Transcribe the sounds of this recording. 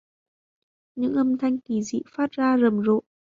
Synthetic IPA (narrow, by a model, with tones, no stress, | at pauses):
ɲɨ̰˧˥ŋʔə˧mt̪ʰa˧jŋ̟ki˨˩zḭ˧˨faː˦˥t̚zaː˧zə˨˩mzo̰˧˨